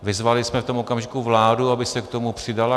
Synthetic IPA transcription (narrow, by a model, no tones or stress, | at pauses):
vɪzvalɪsmɛft̪o̞mʔokamʒɪkuvlaːduabɪsɛkt̪o̞mupr̝̥ɪdala